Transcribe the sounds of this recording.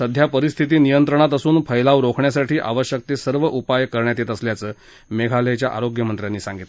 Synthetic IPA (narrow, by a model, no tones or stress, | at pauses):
səd̪ʱjapəɾist̪ʰit̪̬iːnijənt̪ɾəɳ̃at̪əsuːnpʰəjlaʋɾokʰɳjasaʈʰiːʔaʋəɕjək̚t̪eːsəɾʋəʔupajkəɾɳjat̪it̪əsljat͡səː | meɡʱalət͡ɕjaʔa̰ɾoɡjəmənt̪ɾjanːiːsaŋɡit̪l